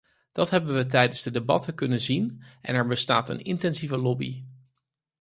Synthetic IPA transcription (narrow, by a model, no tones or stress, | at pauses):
d̥ɑtɦɛbənʋət̬ɛjdənzdədebɑ̰təkɵnənzinʔɛ̰nɛɹbəstaːtə̰nɪ̰ntɛnzivəlɔbḭ